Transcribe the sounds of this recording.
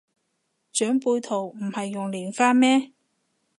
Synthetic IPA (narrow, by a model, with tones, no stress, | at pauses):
t͡ʃœː˨˥ŋpuː˧jt̪ʰo˨˩wm̩˨˩hɐ˨jːʊ˨ŋliː˨˩nfaː˥nmɛː˥